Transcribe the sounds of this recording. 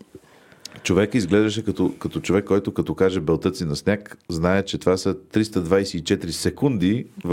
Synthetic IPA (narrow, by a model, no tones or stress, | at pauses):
t͡ʃovɛkizɡlɛʒd̪əʃ̬ɛkɐt̪ɔkɐt̪ɔt͡ʃovɛkːɔjt̪okɐt̪ɔkaʒɛbɛlˠt̪ɤt̪sinɐsnʲakznaɛt͡ʃɛt̪ovasət̪ɾist̪əd̪vajsɛit͡ʃɛt̪iɾisɛkund̪iv